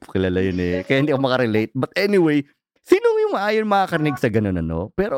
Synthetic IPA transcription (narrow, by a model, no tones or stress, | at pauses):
kɪlaːlajonɛkɐjahɪnd̪iːɐkomɐkɐɾɪlejt̪̚bɐt̪̚ɛnɪwej | siːnoŋjʊŋmɐʔaːjonmɐakɐɾɪniɡ̚sɐɡɐnonɐ̰no̰pɛːɾo